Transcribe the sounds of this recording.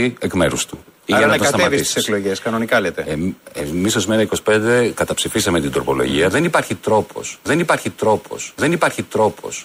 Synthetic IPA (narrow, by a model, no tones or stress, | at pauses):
iekme̞ɾust̪unɐɐt̪sɐt̪ɐmɐtvisissekloʝeskɐno̞nikɐlet̪eeemisozmenɐiko̞si̥pe̞nd̪ekɐt̪ɐpsifisɐmet̪ind̪ɾo̞po̞̰lo̞̰ʝḭɐðe̞nipɐɾçit̪ɾo̞pʰo̞̰sðe̞nipɐɾçit̪ɾo̞pʰo̞̰sðe̞nipɐɾçit̪ɾo̞pʰo̞̰s